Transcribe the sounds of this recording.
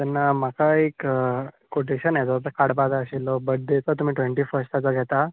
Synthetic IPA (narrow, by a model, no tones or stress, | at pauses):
t̪ɛnːam̤akaekː | oʈʰeɕanajd͡z̪ɔpekaɽpad͡zaəɕilɔbəd̪ʱet͡sat̪um̤iːʈʋeɳʈiːfəɾsʈ̪at͡saɡʱɛt̪a